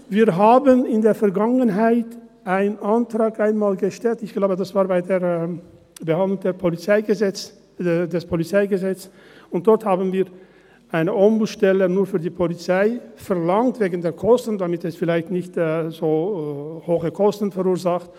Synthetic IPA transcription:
viːɐɦaːbənɪndeːɐfɛɐɡaŋənɦaɪtʔaɪnənʔantʁ̥aːkʔaɪnmaːlɡəʃtɛltɪçɡ̥laʊbədasv̥aːɐbaɪdeːɐ | bəhandlʊŋdeːɐpʰolit͡saɪɡəzɛt͡s | dɛspʰolit͡saɪɡəzɛt͡s | ʊntd̥ɔɐthaːbn̩viːɐ | ʔaɪnəʔɔmbuʃtɛlənuːɐfyːɐdiːpʰolit͡saɪfɛɐʁlaŋtv̥eːɡən̩deːɐkʰɔstn̩damɪtɛsfɪlaɪçtnɪçtːzoːhoːxəkʰɔstn̩fɛʁuːɐzaχt

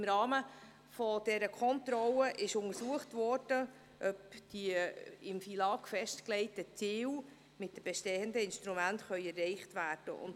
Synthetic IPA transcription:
mɾɑːmə | fɔd̥ɛɾəkʰɔntɾɔləʔɪʃʊŋəɾsuəχtvɔrd̥ə | ʔœpd̥iəɪmfilɑːkfɛʃtklɛɪtət͡siːw | mɪt̚dəmb̥ɛʃtɛːəndəɪnʃtɾumæntχœʏɛrːɛɪχtvæːrd̥ə̰ʊ̰n

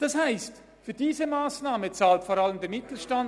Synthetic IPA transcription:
d̥ɑshaɪst | fydiːzəmaːsnaːmət͡saːltfɔːɾɑləmdɛmɪtl̩ʃtɑn

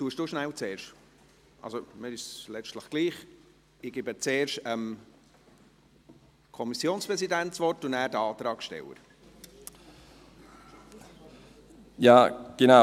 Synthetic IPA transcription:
tuːəʃd̥uːʃnæwt͡seːɾʃt | ʔɑ̰lsoməɾɪslɛt͡ʃtləχɡ̥liːχ | ɪɡ̥ɪbət͡seːɾʃtəm | kʰɔmisjoːnspɾɛsidæntt͡svʋɔɾtʊndæːɾdəɑːt̪ɾɑːkʃtɛ̰wə̰ɾ | jaːɡ̥ena

